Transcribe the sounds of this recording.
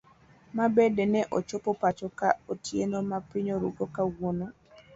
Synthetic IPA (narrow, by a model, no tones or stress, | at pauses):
mabɛdɛnɛʔot͡ʃopɔpat͡ʃɔkaotjenomapɪɲoɾṵɡokawono